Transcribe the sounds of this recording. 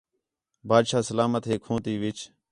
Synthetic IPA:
baːd̪ʃaːsəlaːmət̪ɦeːkʰõːt̪iːʋɪt͡ʃ

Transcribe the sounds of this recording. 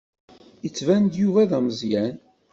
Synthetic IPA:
jət͡sːvænd̪juvæðæməzjæn

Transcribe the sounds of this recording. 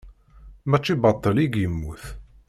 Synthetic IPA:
mæt͡ʃːibɑt̪ˤːəliɡjəmːuθ

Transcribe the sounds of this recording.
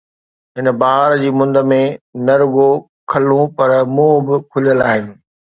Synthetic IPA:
ɦɪnbaːɦəɾd͡ʑiːmʊ̃nd̪ə̆mẽnɐɾʊɡo | kʰɐlũpɐɾmũːbɪkʰʊlijəlaːɦjũː

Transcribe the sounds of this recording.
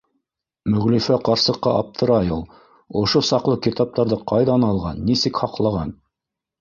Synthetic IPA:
mɵ̆ʁlɵfæqɑɾsɤ̆qːɑʔɑp̚t̪ʰɤ̆ɾɑjulˠ | ŏʃosɑqlˠɤkit̪ɑp̚t̪ɑɾðɤqɑjðɑnɑlˠʁɑ̰nːisɘkhɑqlˠɑʁɑn

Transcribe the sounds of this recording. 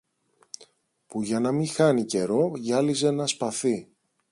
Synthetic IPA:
puʝɐnɐmixɐnice̞ɾo̞ʝɐlize̞nɐspɐθi

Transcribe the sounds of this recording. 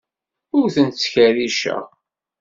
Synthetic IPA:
ʊɾθənt̪t͡sːçæɾiʃæ̰

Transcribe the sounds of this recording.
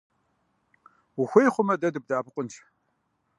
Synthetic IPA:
wʊxʷejχʷʊmɐdɐdɨb̚daːbʰɨqʷʼʊnt͡ʃʰ

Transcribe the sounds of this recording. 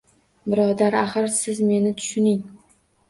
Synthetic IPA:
bɪɾɒd̪aɾaχɨɾsɪzme̞nɪt̪ʰʊ̥ʃʊnɪŋ

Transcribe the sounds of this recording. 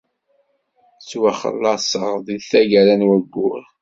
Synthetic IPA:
t͡sːwaχə̰lːɑsˤəʁðiðθæʝæɾænwæɡːʊɾ

